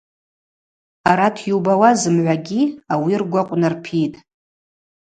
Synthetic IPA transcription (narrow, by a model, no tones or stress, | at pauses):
aɾatʰjuwbawazɨmʕʷaɡʲiawirɡʷaqʷʼnarpʰitʼ